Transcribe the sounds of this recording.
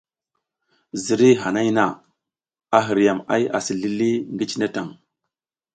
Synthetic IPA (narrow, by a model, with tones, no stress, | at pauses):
zi˨ɾi˦ɦa˨na˦jna˨ | a˨ɦi˨ɾja˨ma̰˦ja̰˨si˨ɮi˦li˦ŋɡi˦t͡ʃi˦na˦ta˨ŋ